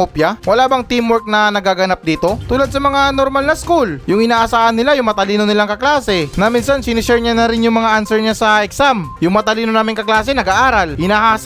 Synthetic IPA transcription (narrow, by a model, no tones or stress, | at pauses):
opjɐwɐlaːbɐŋt̪imwɛɾk̚nɐnɐɡaɡɐnap̚d̪iːt̪o̞t̪uːlɐd̪̚sɐmɐŋanoɾmalnɐskuljʊŋhɪnaːʔɐsaːʔɐnːɪlajʊŋmɐt̪ɐliːno̞nɪlaŋkɐklaːsɛnɐminsansɪnɪsɛɹɲanɐɾɪnjʊŋmɐŋaʔansɛɹɲasɐʔɛksamjʊŋmɐt̪ɐliːno̞naːmɪŋkɐklaːsɛnɐɡaʔaːɾɐlhɪnaːɦaːs